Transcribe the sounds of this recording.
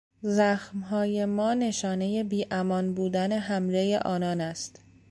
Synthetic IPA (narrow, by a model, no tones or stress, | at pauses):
zæxmɦɒːje̞mɒːne̞ʃɒːne̞je̞biːʔæmɒːnbuːd̪æne̞ɦæmɾejḛʔɒːnɒːnæst̪